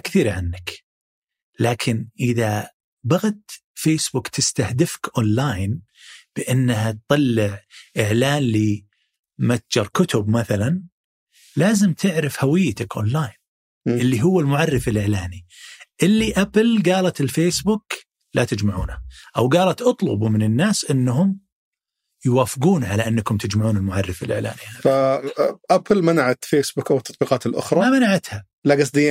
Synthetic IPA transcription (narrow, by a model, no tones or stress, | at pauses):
akθiːɾʕanːak | laːkʰɪnʔɪða | baɣat̪feːsbuːkt̪ɪst̪ahd̪ɪfkʔoːnlaːjn | b̥ɪʔɪnːɦat̪̚t̪ˤɑlːɪʕʔɪʕlaːnli | mat̪̚d͡ʒɑɾˤkʊt̪ʊbmaθalan | laːzɪmt̪ʰɪʕɾɪfhawɪjːt̪akʔo̰ːnlaːjn | ɪlːiɦʊwːɪlmʊʕarːɪfɪlʔɪʕlaːniʔɪlːiʔaplɡaːlat̪ɪlfeːsbʊːk | lat̪ɪd͡ʒmaʕuːnaʔawɡaːlat̪ʔɑt̪ˤlʊ̰bumɪnɪnːaːsʔɪnːɦʊm | jwaːfɪɡuːnʕalaʔɪnːakʊmt̪ɪd͡ʒmaʕuːnɪlmʊʕɑrːɪfɪlʔɪʕla̰ːnihaːa | ʔaplmanaʕat̪feːsbukʔawt̪ːɑt̪ˤbiːqɑːt̪ɪlʔʊ̰xɾˤɑmamanaʕat̪ha | laɡɑs̬ˤd̪ɪːa